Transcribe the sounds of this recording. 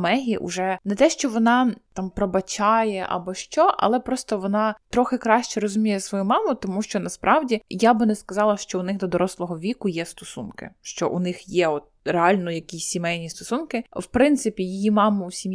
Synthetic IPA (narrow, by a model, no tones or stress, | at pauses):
mɛɦʲiʔʊ̰ʒɛnɛt̪ɛʃt͡ʃɔʋɔnɑt̪ɑmpɾɔbɐt͡ʃɑjɛʔɐ̰bɔʃt͡ʃɔʔɐ̰lˠɛpɾɔst̪ɔʋɔnɑt̪ɾɔxɪkɾɑʃt͡ʃɛɾɔzʊmʲijɛsʋɔjumɑmʊt̪ɔmuʃt͡ʃɔnɐspɾʔɑwdʲijabɪnɛskɐzɑlˠɐʃt͡ʃɔʊnɪɣd̪ɔd̪ɔɾʔɔslˠɔɦɔʋʲikʊjɛst̪ɔsunkɪ̰ʃt͡ʃɔ̰ʔṵnɪxjɛɔt̪̚ɾeɑlʲnɔjɐkʲisʲːimɛjnʲist̪ɔsunkɪwpɾɪnt̪sɪpʲijijimɑmʊusʲim